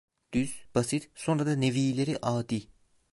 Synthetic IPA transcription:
d̪̥yz̥b̥asit̪so̞nɾad̪aneviːlʲeɾiʔaːd̪iː

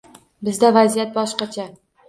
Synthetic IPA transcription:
bɪzd̪avazijat̪̚bɒʃqɑt͡ʃʰa

